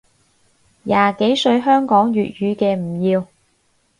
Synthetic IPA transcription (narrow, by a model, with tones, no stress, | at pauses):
jaː˨ke˨˥jsɵ˧ɥɦœː˥ŋkɔː˨˥ŋjyː˨t̚jyː˨˧kɛː˧m̩˨˩jiː˧w